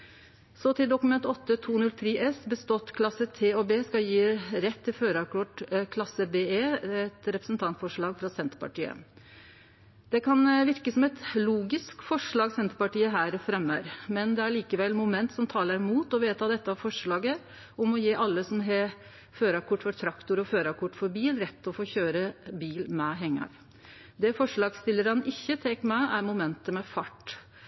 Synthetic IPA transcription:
sɔt̪ʰɪld̪ʊkʉmɛnt̪ɔt̪ːət̪ʰuːnʉlt̪ʰɾiːʔɛsbəst̪ɔt̪kʰlɑsət̪ʰeːɔbeːskɑljiːɾɛt̪ʰːɪføːɾɑkʰʊʈkʰlɑsəbeːeːɛt̪ɾɛpɾəsnt̪ʰɑnt̪fɔʂɭɑːɡfɾɑsɛnt̪ə̥pʰɑ̰ʈiːə̰ | d̪̥ɛkʰɑnʋɪɾkəsɔmɛt̪luːɡɪskfɔʂɭɑːɡsɛnt̪ə̥pɑʈiːəɦæːɾfɾɛmːəɾmɛnd̪ɛæɾɭiːkəʋɛlmʊmɛnt̪sɔmt̪ʰɑːləɾmuːt̪ɔʋeːt̪ʰɑːd̪ɛt̪ːəɑʋfɔʂɭɑːɡə | ʔɔmɔjeːʔɑlːəsɔmɦe | føːɾɑkʰʊʈːfɔʈ̪ʰɾɑkt̪ʊɾɔføːɾɑkʰʊʈːfɔɾbiːlɾɛt̪ːɔfoːçøːɾəbiːlmɛɦɛŋːɑ̰ɾ | d̪ɛfɔʂɭɑːɡst̪ɪlːəɾɑnɪçːət̪ʰɛŋkmɛæɾmʊmɛnt̪əmɛfɑʈː

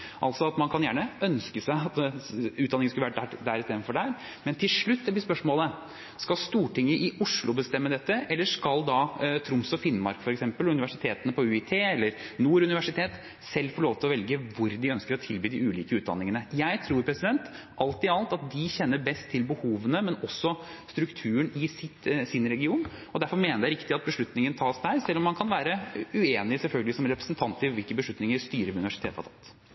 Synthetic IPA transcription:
ʔɑlsɔɑt̪mɑnkʰɑnjæːɳəœnskəsæɪɑt̪ʉːɑnɪŋəskʉlʋæːʈæd̪æɾɪst̪eːd̪nfɔɖɛæːɾ | mɛnt̪ʰɪlʂɭʉt̪ːɛbɪspœʂmoːlə | skɑlst̪uːʈɪŋːəʔɪʔʊʂɭʊbəst̪ɛmːəd̪ɛt̪ːəʔɛlːəʂkɑld̪ɑt̪ʰɾʊmsɔfɪnːmɑ̰ɾkfɔɾɛksɛmpəlʉnɪʋæʂɪt̪ʰeːt̪ənəpʰɔʉɪt̪ʰeːɛlːəɾnuːɾʉnɪʋæʂɪt̪ʰeːt̪ | sɛlːfɔɭoːʋt̪ʰɪlɔʋɛlɡəʋʊɾd̪ɪœnskəɾɔt̪ʰɪlbyːd̪ɪʉːliːkəʉːt̪̚d̪ɑ̰nːɪŋənəjæɪt̪ʰɾuːɾpʰɾɛsɪd̪ɛnt̪ | ʔɑlt̪ɪɑlt̪ɑt̪̚d̪ɪçɛnːəɾbɛst̪ʰːɪlbəhuːʋənəmɛnɔsːɔ | st̪ɾʉkt̪ʰʉːəɳɪsɪt̪sɪnɾɛɡɪuːn | ɔd̪æɾfɔɾmeːnəd̪ɛæɾɪkt̪ɪɑt̪̚bəʂɭʉt̪nɪŋənt̪ʰɑːsd̪æɾsɛlːɔmːɑnkʰɑnʋæːɾəʉeːnɪsɛlfœlɡəlɪsɔmɾɛpɾəsnt̪ʰɑnt̪ɪʋɪlkəbəʂɭʉt̪nɪŋəɾst̪yːɾəʋʉnɪʋæʂɪt̪ʰeːt̪hɑ̰ɾt̪ʰɑt̪ː

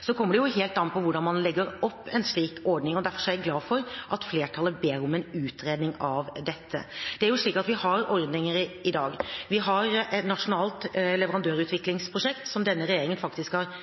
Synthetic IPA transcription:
sɔkʰɔmːəɖɛjʊɦeːlt̪ɑnpʰɔʋʊɖɑnmɑnlɛɡːəɾɔpːɛnsɭiːkɔɾɖnɪŋɔd̪æɾfɔ̥ʂɔæɡlɑːdfɔɾʔɑt̪fleːʈʰɑləbeːɾɔmɛnʉːt̪ʰɾeːd̪nɪŋɑʋd̪ɛt̪ʰːə̰d̪̥ɛæɾjʊʂɭiːkɑt̪ʋɪhɑɾɔɾd̪nɪŋəɾɪd̪ɑːɡʋɪɦɑɾɛt̪nɑʂʊnɑːlt̪lɛʋəɾɑnd̪øːɾʉt̪ʋɪklɪŋspʰɾʊʂɛkt̪sɔmd̪ɛnːəɾɛjeːɾɪŋənfɑkt̪ɪskhɑɾ

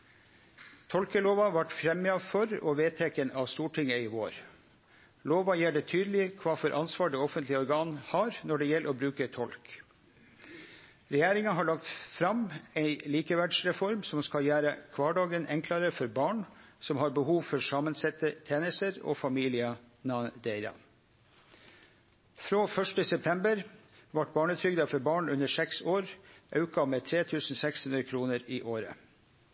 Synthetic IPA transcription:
t̪ʰɔlkəloːʋɑʋæʈfɾɛmːɪɑfɔɾɔ̰ʋeːt̪ʰɛkənɑʋst̪uːʈʰɪŋːəɪʋoːɾ | loːʋɑjɛɖ̪ɛt̪ʰyːd̪əlɪkʰʋɑːfɔɾʔɑnsʋɑːɖɛɔfənt̪lɪəɔɾɡɑːnhɑːɾnɔɖɛjɛlːʔɔbɾʉːkət̪ʰɔlk | ɾɛjæːɾɪŋɑɦɑɭɑkt̪fɾɑmɛɪliːkəʋæɖʂɾɛfɔɾmsɔmskɑljæːɾəkʰʋɑːɖɑːɡənɛŋklɑɾəfɔɾbɑːɳsɔmhɑːɾbəhuːʋfɔɾsɑːmənsɛt̪ət̪ʰjeːnəst̪əɾo̰ːfɑmiːlɪə | nɑnd̪eɪɾɑ̰ | fɾoːfœʂʈəsɛp̚t̪ʰɛmbəɾ | ʋɑʈbɑːɳət̪ʰɾʏɡd̪ɑfɔɾbɑːɳʉnəsɛksoːɾʔɑʉkɑmeːt̪ʰɾeːt̪ʰʉːsn̩sɛkshʉnɾəkʰɾuːnəɾiːʔoːɾə̰

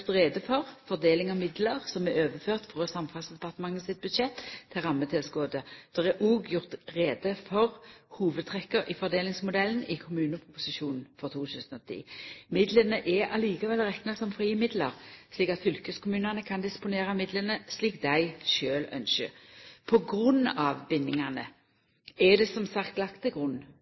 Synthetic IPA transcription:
t̪ʁeːd̪əfɔʁfɔʁd̪eːlɪŋɑmɪd̪ləʁsɔmɛɾøːʋəføːʁt̪fʁoːsɑmfɑlsd̪ɛpɑʁt̪əmɑŋːəsɪt̪̚bʉd̪ʃɛt̪ʰːɪʁɑmːət̪ʰɪlskoːd̪əd̪̥ɛʁɛʔuːɡjʊʁt̪ʁeːd̪əfɔʁhuːʋəd̪̚t̪ʰʁɛkːəɾʔɪfɔʁd̪eːlɪŋsmʊd̪ɛln̩ɪkʰʊmʉːnəpʰʊpʊsɪʃuːnn̩fɔʁt̪ʰuːt̪ʰʉːsənɔt̪ʰḭːmɪd̪lənəʔɛʔɑliːkəʋɛlʁɛknəsɔmfʁiːəmɪd̪ləʁsliːkɑt̪fʏlkəskʰʊmʉːnɑnəkʰɑnd̪ɪspʊneːʁɑmɪd̪lənəsliːkd̪æɪʃøːlœ̰nʃə̰pʰɔɡʁʉnːɑʋbɪnːɪŋɑnə | ɛd̪ɛsɔmsɑkt̪lɑkt̪ʰɪɡʁʉnː

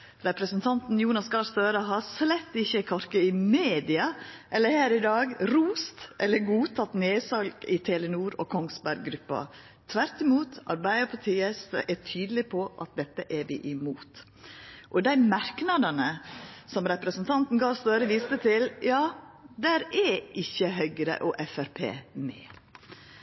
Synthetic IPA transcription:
ɾɛpɾəsənt̪ʰɑnt̪n̩juːnɑsɡɑɾst̪øːɾəɦɑɾslɛt̪ːɪçːəkʰɔɾkəɪmeːd̪ɪɑʔɛlːəɾhæːɾɪd̪ɑːɡɾuːst̪ʔɛlːəɾɡuːt̪ʰɑt̪neːsɑlɡɪt̪ʰɛːlənuːɾɔ̰kʰɔŋsbæɾɡːɾʉpːɑ̰ | t̪ʰʋæɾt̪ɪmuːt̪ʔɑɾbæɪəpʰɑt̪ʰiːəsʔæʈʰyːd̪əlɪpʰɔʔɑ̰t̪̚d̪ɛt̪ːəʔæɾʋɪ̰ʔɪmuːt̪ | ʔɔd̪æɪmɑɾknɑd̪ɑnəsɔmɾɛpɾəsnt̪ʰɑnt̪n̩ɡɑːʋst̪øːɾəʋiːst̪ət̪ʰɪljɑː | d̪æːɾæɪçːəɦœʏɡəɾə̰ʔɔʔɛfæɾpʰḛːmɛ̰ː

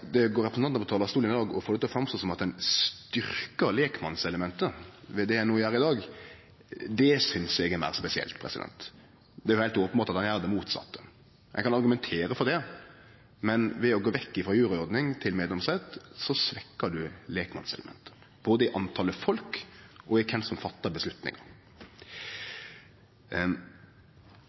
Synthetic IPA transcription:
d̪ɛɡoːɾɛpəsnɑnpɔt̪ʰɑːlɑɾst̪uːlənɪd̪ɑːɡɔfoːɾd̪ɛt̪ɛɔfɾɑmst̪oːsɔmɑt̪̚d̪ɛnst̪ʏɾkəɾleːkmɑnsɛləmɛnt̪əʋɛd̪ɛænoːjæːɾəɪd̪ɑːɡ | d̪ɛsʏnsɛɡɛmæ̰ːɾspɛsɪɛ̰lt̪pʰɾɛ̰sɪd̪ɛ̰nt̪ | d̪ɛæɾjʊhæɪlt̪oːpəmbɑːt̪ɑt̪hɑnjæːɾd̪ɛmuːt̪sɑ̰t̪ːə̥ | jɛ̰ɡkʰɑnɑɾɡʉmɛnt̪ʰeːɾəfɔɾd̪ɛ | mɛnʋɛɔɡoːʋɛkːɪfɾɔːjʉːɾəɔɾd̪nɪŋt̪ʰɪlmeːd̪ɛmsɛt̪sɔsʋɛkːəd̪ʉleːkmɑ̰nsɛləmɛ̰nt̪ʰə̥ | b̥oːd̪əɪʔɑnt̪ʰɑːləfɔlkʔɔɪkʰɛnsɔmfɑt̪ːɑbəsʉt̪nɪ̰ŋɑ̰ɾ

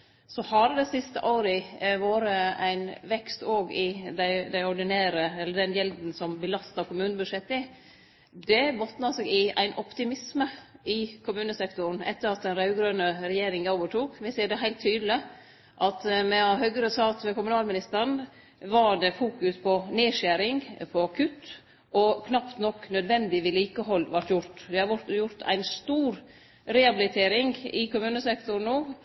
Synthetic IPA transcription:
sɔhɑɾəd̪ɛsɪst̪əʔoːɾɪʋoːɾəæɪnʋɛkst̪oːɡɪd̪æɪd̪æɪɔɖɪnæːɾəɛlːəɖɛnjɛld̪n̩sɔmbəlɑst̪ɑkʊmʉːnəbʉʂɛt̪ːɪ | d̪ɛbɔt̪nɑsɛɡɪæ̰ɪnʔɔpt̪ɪmɪsməɪkʰʊmʉːnəsɛkt̪ʊɾn̩ɛ̰t̪ːəɾɑt̪̚d̪ɛnɾɑʉɡɾœːnəɾɛjeːɾɪŋoːʋəʈʰuːkʋɪsiːɖɛɦæɪlt̪ʰːyːd̪lɪ | ʔɑt̪mɛɑɦœɡɾəsɑːt̪mɛkʊmʉnɑːlmɪnɪst̪əɾɳ | ʋɑɖɛfuːkʉspʰɔneːʃæːɾɪŋpʰɔkʰʉt̪ː | ʔɔkʰnɑpt̪nɔkːnœd̪ʋɛnd̪ɪʋɪliːkəɦɔlːʋɑʈːjʊɾt̪ʋ̪ɛhɑʋʊt̪jʊɾt̪ʰæ̰ɪnst̪uːɾ | ɾɛɑbɪlɪt̪ʰeːɾɪŋɪkʊmʉːnəsɛkt̪ʊn̩uː

